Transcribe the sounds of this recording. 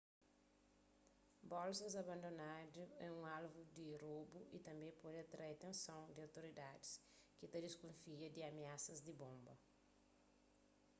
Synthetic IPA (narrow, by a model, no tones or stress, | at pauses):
bɔlsɐzɐbɐ̃nd̪onaduɛũalvud̪irobuḭt̪ɐ̃mbẽpɔdat̪ɾaet̪ẽnsõw̃d̪iawt̪oɾid̪adis | kit̪ɐd̪iskõfiɐd̪iɐmeasɐzd̪ibõmbɐ